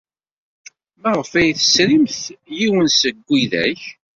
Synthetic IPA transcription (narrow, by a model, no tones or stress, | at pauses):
mæʁəfæjθəsɾimθjiwənsəɡʷːiðæç